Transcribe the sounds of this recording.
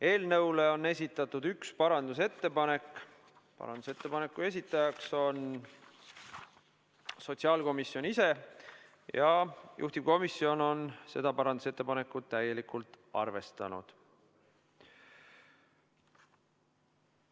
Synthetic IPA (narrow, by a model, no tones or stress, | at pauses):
e̞ːlnɤ̞wle̞o̞nːe̞sʲit̪ːˑɑt̪ːˑud̪̥ykspɑɾɑnd̪us̬e̞t̪ːe̞pɑne̞kː | pɑ̰ɾɑ̰nd̪u̥se̞t̪ːˑe̞pɑne̞kːˑue̞s̬it̪ːˑɑjɑkso̞n | so̞t̪siɑːlko̞misjo̞nise̞ | jɑjʔṵht̪ib̥ko̞misːio̞no̞nse̞̰d̪̥ɑpɑɾɑnd̪use̞t̪ːe̞pɑne̞kːˑut̪ːæje̞likult̪ˑ | ɑ̰rve̞st̪ɑ̰nṵd̪̥